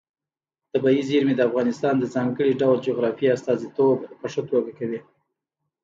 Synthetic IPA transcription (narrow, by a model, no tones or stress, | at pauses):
d̪̥əbajiziɾmed̪əafɣɑnɪst̪ɑnd̪əzɑŋɡəɽiɖawld͡ʒoɣɾɑfiast̪ɑzit̪obpəʂot̪oɡakawi